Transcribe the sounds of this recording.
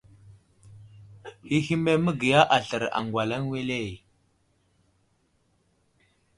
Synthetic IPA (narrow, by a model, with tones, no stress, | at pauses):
hi˦hi˦me˦mə˦ɡi˨ja˦ʔa˨ɬə˨ɾa̰˨ŋɡwa˨la˦nwe˦le˦˨j